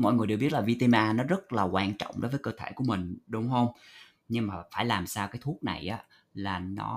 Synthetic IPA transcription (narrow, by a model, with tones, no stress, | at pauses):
mɔ̰˧˨jŋɨ˨˩ɗe˨˩wɓi˦˥ət̚laː˨˩vi˧t̪e˧maː˧nɔ˨˦zə˦˥t̚laː˨˩kwaː˧nt͡ɕɔ̰˧˨wŋ͡mɗo̰˨˦jvːjkəː˧t̪ʰḛ˧˩ku˧˩əmï˨˩ŋ̟ɗʊ˨˦wŋ͡mɦə˧wŋ͡m | ɲɨ˧ŋmaː˨˩faː˧˩jlaː˨˩msaː˧wkaː˨˦jt̪ʰu˦˥ət̚na̰˨˩jʔaː˨˦ | laː˨˩nɔ̰˨˦